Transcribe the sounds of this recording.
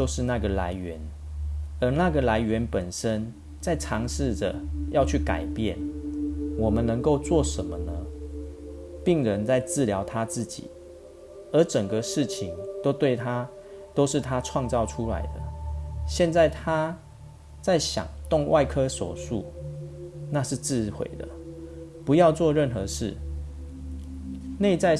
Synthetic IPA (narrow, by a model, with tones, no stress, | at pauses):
t͡ɕo˥˧ʊʂɻ̩˥˧na˥˩ɡə˩la˧˦ɪɥɛ˧˦n | ə˨˧˥na˥˨ɡə˩la˧˦ɪɥɛ˧˦npə˨˩nʂə˦˥n | t͡sa˥˩ɪʈ͡ʂʰɑ˧˥ŋʂɻ̩˥˩də̰˨˩jɑ˥˧ʊt͡ɕʰy˥˩ka̰˨˩ɪpjɛ˥˩n | wɔ˨˩mə˦nnə˧˦ŋko˥˧ʊt͡swɔ˥˨ʂə˧˦nmə˦nə˦ | pi˥˨˩ŋɻə˧˦nt͡sa˥˧ɪt͡sɹ̩˥˨ljɑ˧˥ʊt̪ʰa˥˦t͡sɹ̩˥˩t͡ɕḭ˨˩˦ | ə˨˧˥ʈ͡ʂə˨˩ŋɡə˦ʂɻ̩˥˩t͡ɕʰi˧˦ŋt̪o˥ʊt̪we˥˩ɪt̪ʰa˦˥ | t̪o˥ʊʂɻ̩˥˨t̪ʰa˦ʈ͡ʂʰwɑ˥˧ŋt͡sɑ˥˨ʊʈ͡ʂʰu˦la̰˧˦ɪd̪ə̰˨ɕjɛ˥˧nt͡sa˥˩ɪt̪ʰa˦ | t͡sa˥˩ɪɕjɑ̰˨˩ŋt̪ʊ˥˨˧ŋwa˥˨ɪkʰɤ˥so̰˨˩ʂṵ˥˨˩ | na˥˧ʂɻ̩˥˧t͡sɹ̩˥˨xwḛ˨˩ɪd̪ə̰˩pu˨˧˦jɑ˥˧ʊt͡swɔ˥˧ɻə˥˨˩nxə˧ʂɻ̩˥˩ | ne˥˧ɪt͡sa˥˧ɪ